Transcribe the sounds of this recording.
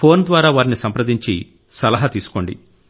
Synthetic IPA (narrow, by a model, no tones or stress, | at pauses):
pʰo̞ːnd̪ʋaːɾaːʋaːɾinisɐmpɾɐd̪iɲt͡ʃḭ | sɐlɐɦɐt̪iːsu̥ko̞ːɳɖḭ